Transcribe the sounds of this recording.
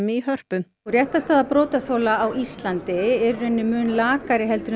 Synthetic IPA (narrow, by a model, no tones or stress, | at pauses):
mɪiɦœr̥pʏm | ɔrjɛht̪ast̪aːðapɾɔːt̪aθowlaːwist̪lant̪ɪɛɾrɛnːɪmʏːnlaːkaɾɪɦɛlt̪ɾʏ